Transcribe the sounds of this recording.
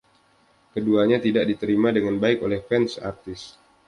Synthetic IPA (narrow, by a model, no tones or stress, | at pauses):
kəduaɲat̪idak̚dit̪əɾimadəŋanbaɪkolɛhfɛnsa̰rt̪ɪs